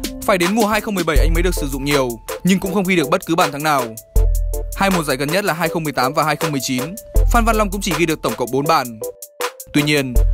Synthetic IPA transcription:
faː˧˩jɗe˨˦nmu˨˩əɦaː˧jxə˧wŋ͡mmɨ˨˩əjɓə˧˩jʔa˧jŋ̟mə˨˦jɗɨ˨˩ək̚sɨ˧˩zʊ̰˧˨ŋ͡mɲi˨˩əwɲɨ˧ŋkʊ̰˧˥ŋ͡mxə˧wŋ͡mxi˧ɗək̚ɓə˦˥t̚kɨ˨˦ɓaː˧˩nt̪ʰaː˨˦ŋnaː˨˩w | haː˧jmu˨˩zaː˧˩jɣə˨˩nɲə˦˥t̚laː˨˩ɦaː˧jxə˧ŋ͡mmɨ˨əjt̪aː˨˦mvaː˨˩ɦaː˧jxə˧wŋ͡mmɨ˨˩əjt͡ɕi˨˦nfaː˧nva˧nla˧wŋ͡mkʊ̰˧˥ŋ͡mt͡ɕi˧˩ɣi˧ɗɨ˨˩ək̚t̪ə˧˩ŋ͡mkə̰˧˨wŋ͡m̚ɓo˨˦nɓaː˧˩n | t̪wi˧ɲi˧ən

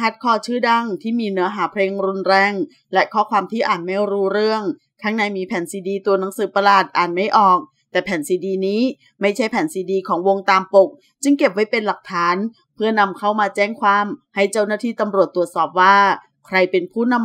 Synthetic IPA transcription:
a˦˥t̪̚kʰɔː˧˥˩t͡ɕʰɯː˥˩da˥˩ŋt̪ʰiː˥˩miː˧nɯ˩˦ɐɦaː˩˦pʰɾeː˧ŋɾu˧nɾɛː˧ŋ | lɛ˦˥kʰɔː˦˥˩kʰwaː˧mt̪ʰiː˥˩ʔaː˨˩nma˥˩jɾuː˦˥ɾɯ˥˩əŋ | k̪ʰa˦˥ŋna˧jmiː˧pʰɛː˩˦nsiː˧diː˧t̪u˧ɐna˨˩˦ŋsɯː˨˩˦pa˧laː˨˩t̪̚ʔaː˨˩nma˥˩jʔɔː˨˩k̚ | t̪ɛː˨˩pʰɛː˨˩˦nsiː˧diː˧niː˦˥ | ma˥˩jt͡ɕʰa˥˩jpʰɛː˨˩˦nsiː˧diː˧kʰɔː˩˦ŋwo˧ŋt̪aː˧mpo˨˩k̚ | t͡ɕɯ˧ŋke˨˩p̚wa˦˥jpe˧nla˨˩k̚t̪ʰaː˩˦n | pʰɯ˥˩əna˧mkʰa˥˩wmaː˧t͡ɕɛː˥˩ŋkʰwaː˧mha˥˩jt͡ɕa˥˩wnaː˥˩iː˥˩t̪a˧mɾu˨˩ət̪ːu˨˩ət̪̚sɔː˨˩p̚waː˥˩ | kʰɾa˧jpe˧npʰuː˥˩na˧m

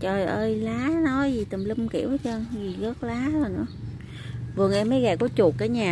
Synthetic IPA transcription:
t͡ɕɔ˧˩ʔəː˧jlaː˨˦nɔ˨˦jzi˨˩t̪ə˨˩mlɨ˧mkḭ˧˩əwt͡ɕə˧ŋzi˨˩ɣəː˦˥k̚laː˨˦zo˨˩nɨ̰˧˥ə | vɨ˨˩əŋʔɛ˧mːə˨˦jɣaː˨˩kɔ˨˦t͡ɕu˨˩ək̚kaː˨˦jɲaː˨˩

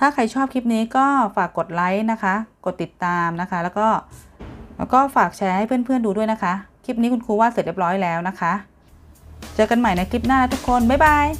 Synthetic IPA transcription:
t̪ʰaː˥˩kʰa˧jt͡ɕʰɔː˥˩p̚kʰi˦˥p̚niː˦˥kɔː˥˩faː˨˩kːo˨˩t̪̚la˦˥jna˦˥kʰa˦˥ko˨˩t̪ːi˨˩t̪ːaː˧mna˦˥kʰa˦˥lɛ˦˥wkɔː˥˩ | kɔː˥˩faː˨˩k̚t͡ɕʰɛː˧ha˥˩jpʰɯ˥˩ənpʰɯ˥˩ənduː˧du˥˩əjna˦˥kʰa˦˥kʰi˦˥p̚niː˦˥kʰu˧nkʰuː˧waː˥˩se˨˩le˦˥p̚ɾɔː˦˥jlɛː˦˥wna˦˥kʰa˦˥ | t͡ɕɤː˧ka˧nma˨˩jna˧jkli˦˥p̚naː˥˩a˦˥t̪ʰu˦˥kʰːo˧nba˨˩jba˧j

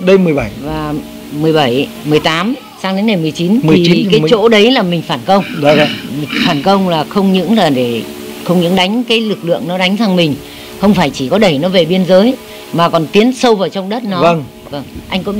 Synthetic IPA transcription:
ɗə˧mɨ˨˩əjɓa˧˩jvaː˨˩ | mɨ˨˩əjɓa˧˩j | mɨ˨˩əjt̪aː˨˦m | saː˧ŋɗe˨˦nŋa˨˩jmɨ˨˩əjt͡ɕi˨˦n˨i˨˩˨kaː˨˦˨t͡ɕo̰˧˥ɗə˨˦jlaː˨˩mï˨˩ŋ̟faː˧˩nkə˧wŋ͡mmi˨˩faː˧˩nkə˧wŋ͡mlaː˨˩xə˧wŋ͡mɲɨ̰˧˥ŋlaː˨˩ɗe˧˩ | xə˧wŋ͡mɲɨ̰˧˥ŋɗa˨˦jŋ̟kaː˨˦jlɨ˨˩k̚lɨ̰˧˨əŋnɔ˨˦ɗa˨˦jŋ̟t̪ʰa˧ŋmï˨˩ŋ̟ | xə˧wŋ͡mfaː˧˩jt͡ɕi˧˩kɔ˨˦ɗə˧˩jnɔ˨˦ve˨˩ɓi˧ənzəː˨˦j | maː˨˩kɔ˨˩nt̪i˨˦ənsə˧wvaː˨˩wt͡ɕɔ˧wŋ͡mɗə˦˥t̚nɔ˨˦ə˧ŋ | və˧˩ŋʔa˧jŋ̟kɔ̰˧˨˥

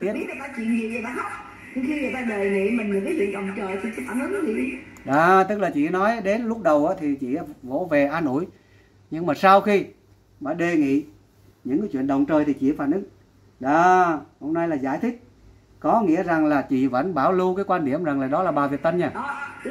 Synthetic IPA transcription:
i˦˥˨a˨˩faː˨˦t͡ɕḭ˧˨nɲi˨ze˨˩va̰ː˧˨˦nha˦ | ɲɨ˧ŋxi˧ŋɨ˨˩jt̪aː˧zə˨˩jŋḭ˧˨mï˨˩ŋ̟ɲɨ̰˧˩ŋkaː˨˦jt͡ɕḭ˧˨nɗə˨wŋ͡mt͡ɕəː˨˩jt̪ʰi˨˩t͡ɕi˨˧˦faː˧˩nɨ˨˦ɔ˨˦ɲḭ˧˨˧ɗaː˨˩t̪ɨ˦˥k̚laː˨˩t͡ɕḭ˧˨˦nɔ˨˦jɗe˨˦nlʊ˦˥k͡p̚ɗə˨˩wʔaː˨˦t̪ʰi˨˩t͡ɕḭ˧˨˦vo̰˧˥ve˨˩ʔaː˧nṵ˧˩˨j | ɲɨ˧ŋmaː˨˩saː˧wxi˧ | ɓa̰ː˧˩ɗe˨˩ŋḭ˧˨ | ɲɨ̰˧˥ŋkaː˨˦t͡ɕwi˧˨ənɗə˨˩wŋ͡mt͡ɕəː˨˩jt̪ʰi˨˩t͡ɕḭ˧˨˦faː˧˩nʔɨ˨˦ŋ | ɗaː˨˩ho˧mnaː˧jlaː˨˩zaː˧˩jt̪ʰï˦˥k̟̚ | kɔ˨˦ŋḭ˧˥əza˨˩ŋlaː˨˩t͡ɕḭ˧˨və̰ː˧˥nɓaː˧˩wlu˧kaː˨˦jkwaː˧nɗi˧˩əmza˨˩ŋlaː˨˩ɗɔ˨˦laː˨˩ɓaː˨˩vi˨˩ət̚t̪ə˧nɲaː˧˩˨

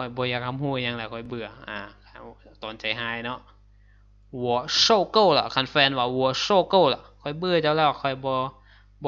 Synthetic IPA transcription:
ɔ˧˩jbɔː˧˦jaː˧˩kʰːa˧mhuː˧˩˧ja˧˦ŋlɛ˧˩kʰɔ˧˩jbɯ˧˩ɐʔaː˧˩kʰt̪oː˨˦nt͡ɕa˨˩jɦaː˧˩jnɔ˧˥ʔ | wɔ˧˩so˧˩koː˥˩˨la̰˨˩kʰa˧˥nfɛː˧nwaː˧˩wɔ˧˦ə˦soː˧˩kɤː˥˩˨la̰˧˩kʰɔ˧˩jbɯ˧˨ɐt͡ɕaː˧wlɛː˧˩wkʰɔ˧˩jbɔː˧˦ | bɔ˧

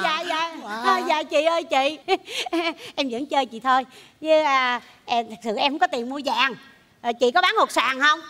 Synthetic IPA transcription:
zaː˧˨aː˨˩zaː˧˨t͡ɕḭ˧˨ʔəː˧jt͡ɕḭ˧˨ | ʔɛ˧mzə̰˧˥ŋt͡ɕəː˧jt͡ɕḭ˧˨t̪ʰo˧j | zɨ˨˦əː˨˩ | ʔɛ˧t̪ʰa˨˩k̚sɨ̰˧˨ʔɛ˧mhŋ͡mkɔ˨˦t̪i˨˩əmmu˧əzaː˧˨ŋː˨˩ | t͡ɕḭ˧˨kɔ˨˦ɓaː˨˦nho˨˩t̚saː˨˩ŋhə˧wŋ͡m

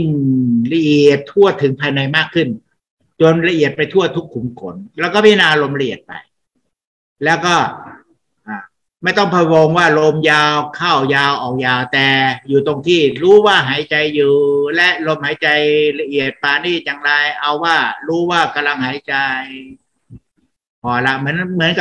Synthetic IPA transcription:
ŋla˧ʔi˨˩ət̪ʰːu˥˩ət̪ʰɯ˩˦ŋpʰaː˧jna˧jmaː˥˩kʰːɯ˥˩n | t͡ɕo˧nla˧ʔi˨˩ət̪̚pa˧jt̪ʰu˥˩ət̪ʰu˦˥kʰːu˨˩˦mkʰo̰˩˦nlɛ˦˥wkɔː˥˩miː˥˩naː˧lo˧mla˧ʔi˨˩ət̪̚pa̰˧j | lɛː˦˥wkɔː˥˩ | ʔaː˨˩ | ma˥˩jt̪ɔ˥˩ŋpʰa˧woː˧ŋwaː˥˩lo˧mjaː˧wkʰaː˥˩wjaː˧wʔɔː˨˩k̚jaː˧wt̪ɛː˨˩juː˨˩t̪o˧ŋt̪ʰiː˥˩ɾuː˦˥waː˥˩ɦaː˩˦jt͡ɕa˧jːuː˨˩lɛ˦˥ʔlo˧mhaː˨˩˦jt͡ɕa˧jla˧ʔi˨˩ət̪̚paː˧niː˥˩jaː˨˩ŋɾa˧jʔa˧wːaː˥˩ɾuː˦˥waː˥˩ka˧mla˧ŋhaː˩˦jt͡ɕa˧j | pʰɔː˧la˦˥mɯ˩˦ənmɯ˩˦ənka˨˩

